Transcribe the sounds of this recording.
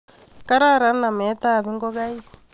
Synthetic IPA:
ka˦ɾa˦˨ɾa˨˦na˨mɛ˨˦t̪a˦˨βi˦ŋɡɔ˦ɣa˦i˦

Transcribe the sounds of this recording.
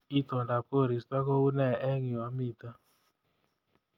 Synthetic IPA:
i˦t̪ɔ˨da˨ko˦˨ɾi˨sta˦kɔ˦u˦nɛ˦˨ɛ˦ŋi˨wa˨mi˦˨t̪a˦

